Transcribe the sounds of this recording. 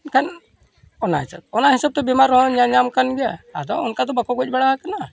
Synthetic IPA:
kʰan | ɔnaɦisa̰t̪̚ɔnaɦisab̚t̪ɔbɛmaɾɔɦɔ̃ɲãɲamkanɡɛjaa̰d̪ɔunkat̪ɔbakɔɡɔt͡ʃ̚bəɽaɦakana

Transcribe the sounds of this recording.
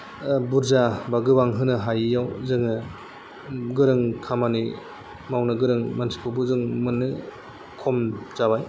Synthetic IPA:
buɾzabaɡɯbaŋɦɯnɯɦajjawzɯŋɯ | ɡɯɾɯŋkʰamani | mawnɯɡɯɾɯŋmansi̥pʰubuzɯŋmɯnːɯ | kʰɔmzabaj

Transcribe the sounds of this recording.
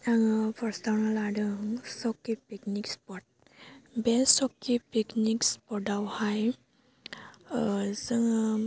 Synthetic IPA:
aŋpʰɔɾstawnalaɖɯŋsɔkːipiknikspɔt̚ | bɛsɔkːipiknikspɔdawhaj | sɯŋ

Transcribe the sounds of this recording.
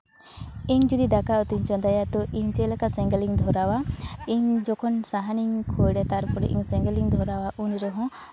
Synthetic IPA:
iɲd͡ʒud̪id̪akaɔt̪iɲt͡ʃɔ̃nd̪ajat̪ɔʔiɲt͡ʃelakasɛ̃ŋɡəliɲd̪ʱɔɾawaiɲd͡ʒɔkʰɔnsaɦaniɲkʰɔjɖɛt̪aɾpɔɽɛ̰ʔḭɲsɛ̃ŋɡəliŋd̪ʱɔɾawaʔunɾɛɦɔ̃

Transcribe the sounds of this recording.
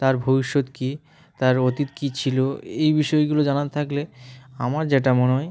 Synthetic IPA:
t̪aɾbʱobiʃːot̪ki | t̪aɾot̪it̪kit͡ɕʰiloejbiʃɔeɡulod͡ʑanat̪t̪ʰakleamaɾd͡ʑeʈamoneɦɔj

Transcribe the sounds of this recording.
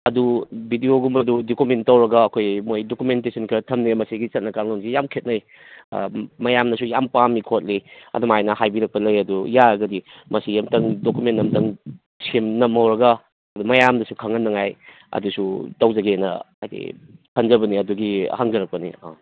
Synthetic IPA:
ɐdubʱidioɡumɐdudokumentːɐwɾɐɡɐːkʰojmojdokumentesʰɐnkʰɐtʰɐmnemɐsiɡisɐt̚nɐkaŋlonsijamkʰet̚nɐj̰ | mɐjamnɐsujampamikʰot̚liɐ̰dumajnɐhajbiɾɐk̚pɐlɐjɐdujaɾɐɡɐdimɐsijɐmtɐŋdokumentːnɐmdɐŋ | semnɐmhɦɐwɾɐɡɐ | ɐdumɐjamdɐsukʰɐŋɐnːɐŋaj | ɐ̰dusutɐwzɐɡenɐ̰a̰jtḛ | kʰɐnzɐbɐniɐduɡihaŋzɐɾɐk̚pɐnḭa̰

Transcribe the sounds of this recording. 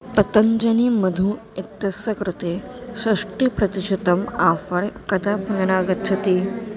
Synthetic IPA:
pɐt̪əɲd͡ʑəniːməd̪ʱuː | it̪jɐsəkɾut̪esɾɐʂʈiːpɾɐt̪iɕit̪əmafəɾkɐd̪apunɳaɡət̪ːt͡ʃʰɐt̪iː

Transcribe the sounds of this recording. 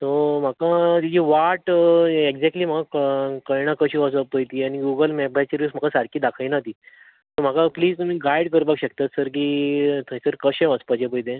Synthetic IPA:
t̪om̤akat̪it͡ɕiʋaʈeɡd͡zɛk̚ʈliːm̤akakəjɳ̃akəɕiʋəsəpəjt̪iːañiɡuɡəlmɛbajt͡ɕeɾism̤akasaɾkʰiːd̪akʰajnat̪i | t̪om̤akapliːd͡zt̪um̤iːɡajɽkəɾpakɕəkt̪at̪səɾk̬iːt̪ʰəjsəɾkəɕẽʋəspad͡ʑepəjd̪ẽ

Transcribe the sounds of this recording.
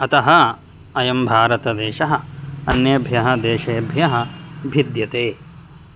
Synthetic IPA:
ɐt̪ɐɦɐ | ɐjɐmbʱaːɾɐt̪ɐd̪eːʃɐɦɐ̆ɐnjɐbʱjɐɦɐd̪eːʃɐjɐbʱjɐɦɐ̆bʱid̪jɐt̪eː

